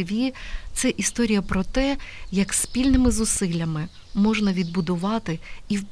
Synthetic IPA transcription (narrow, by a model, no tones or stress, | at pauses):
ʋʲit̪sɛʔist̪ɔɾʲijɐpɾɔt̪ɛjɐkspʲilʲnɪmɪzʊsɪlʲːɐmɪ | mɔʒnɐʋʲid̪̚bʊd̪ʊʋɑt̪ɪiwp